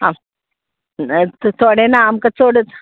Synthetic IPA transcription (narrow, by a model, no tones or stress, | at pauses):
ã | t̪t̪ʰoɽenaːmkat͡soɽət͡s